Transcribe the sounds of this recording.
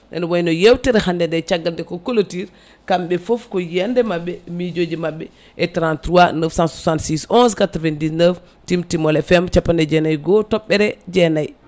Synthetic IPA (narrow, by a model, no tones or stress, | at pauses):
ʔɛ̰nwajnɔjewtiɾɛhandɛdɛt͡ʃaɡːaldɛkɔkolotiɾ | kamɓɛfofkɔjɛndɛmaɓːɛmid͡ʒod͡ʒimaɓːɛ | ʔɛtɾantɾuanəfsãnsusantsisɔnskatɾvendisnəf | timtimɔlɛfɛmt͡ʃapːandɛd͡ʒɛnajɡɔtɔɓːɛɾɛd͡ʒɛnaj